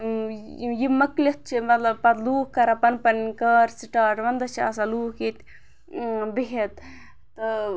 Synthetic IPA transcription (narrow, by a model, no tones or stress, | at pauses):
jimɐklʲet̪̚t͡ʃʰimɐt̪lɐbpɐt̪luːkkɐɾɐpɐnpɐnkɐɾsiʈaːʈʋɐnd̪ɐt͡ʃʰa̰ːsɐluːket̪ | beɦet̪ | t̪ɨ